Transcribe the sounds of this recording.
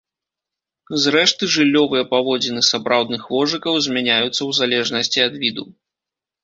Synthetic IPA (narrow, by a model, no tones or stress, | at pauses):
zrɛʂt̪ɨʐɨlʲːɔvɨjɐpavɔd͡zʲinɨsapɾawd̪̚nɨxvɔʐɨkɐwzʲmʲanʲajut̪sːɐwzalʲɛʐnɐsʲt͡sʲiɐd̪vʲid̪u